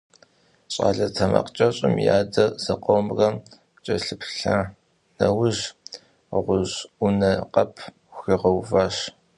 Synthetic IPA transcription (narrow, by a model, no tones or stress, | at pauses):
ɕʼa̰ːɮɐtʰɐmɐ̰qt͡ʃʼɐɕʼɪmja̰ːdɐzɐqʷoːmrɐ | t͡ʃʼɐɬɨpʰɬa | nɐwʊʒ | ʁʷʊʑʊnɐqʼɐpʰ | xiʁɐwvaːɕ